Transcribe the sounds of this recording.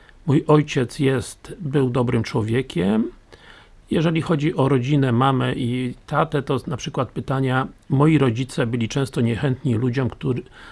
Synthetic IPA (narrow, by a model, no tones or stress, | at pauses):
mujɔjt͡ɕɛt̪sjɛst̪bɘwd̪ɔbɾɘmt͡ʂwɔvʲjɛkʲɛm | jɛʐɛlʲixɔd͡ʑiʔɔɾɔd͡ʑinɛmamɛʔit̪at̪ɛt̪ɔnapʂɘkwat̪̚pɘt̪aɲamɔjiɾɔd͡ʑit̪sɛbɘlʲit͡ʂɛ̃w̃st̪ɔɲɛxɛnt̪ɲilud͡ʑɔmkt̪u